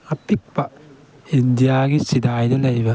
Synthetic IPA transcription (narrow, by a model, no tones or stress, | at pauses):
ɐpik̚pɐ | indijaɡisidajdɐlɐjbɐ